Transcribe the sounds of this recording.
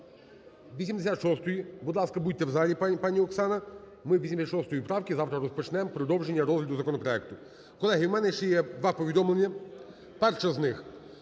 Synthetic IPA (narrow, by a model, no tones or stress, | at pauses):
ʋʲisʲimd̪esʲat̪ʃɔst̪ɔjibʊd̪lˠɑskɐbud̚ʲt̪ɛwzɑlʲipɑnʲiɔksɑnɐ | mɪwʋʲisʲimsʲat̪ʃɔst̪ɔjipɾɑwkʲizɑwt̪ɾɐɾɔspɔt͡ʃnɛmpɾɔd̪ɔwʒenʲːɐɾɔzɦlʲɐd̪ʊzɐkɔnɔpɾɔɛk̚t̪ʊ | kɔlˠɛɦɪwmɛnɛʃt͡ʃɛjɛd̪ʋɑpɔʋʲid̪ɔmlˠenʲːɐ | pɛrʃɐznɪx